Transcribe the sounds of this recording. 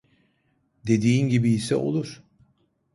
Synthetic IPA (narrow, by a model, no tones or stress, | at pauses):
d̪e̞d̪iːnɟibiːsɛ̰o̞̰lˠuɾ̥